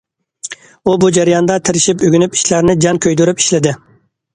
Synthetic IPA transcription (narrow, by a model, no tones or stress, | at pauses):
ubud͡ʒæɾijɑnd̪ɑt̪ʰɪɾɪʃipøɡʲynypi̥ʃlæɾnɪd͡ʒɑŋkʲʰøjd̪yɾypi̥ʃlɪd̪ɪ